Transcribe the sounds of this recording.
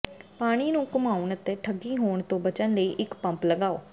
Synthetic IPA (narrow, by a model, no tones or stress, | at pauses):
paːɽ̃iːnũːkʊmaːʊɳət̪eːʈʰəɡːiːɦoːɳt̪õːbət͡ʃənləiːʔɪkpə̃mpləɡaːo̰ː